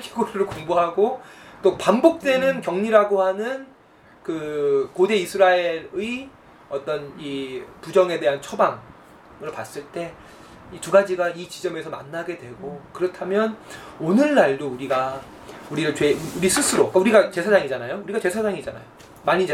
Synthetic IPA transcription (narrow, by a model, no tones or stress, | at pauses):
kiɡoɾɯɾɯɭkoŋboɦaɡot͈opambok̚t͈we̞nɯnkjʌŋɲiɾaɡohanɯn | kɯkode̞isʰɯɾaeɾɯi | ʌt͈ʌnipud͡ʑʌŋe̞de̞ɦant͡ɕʰobaŋ | ɯɭpas͈ɯɭt͈e̞ | ituɡad͡ʑiɡait͡ɕid͡ʑʌme̞sʰʌma̰nːaɡe̞dwe̞ɡokɯɾʌtʰamjʌnonɯɭːaɭdouɾiɡa | uɾiɾɯɭt͡ɕweuɾis͈ʰɯsʰɯɾok͈auɾiɡat͡ɕe̞sʰad͡ʑaŋid͡ʑanajouɾiɡat͡ɕe̞sʰad͡ʑaŋid͡ʑana̰jo | maɲid͡ʑa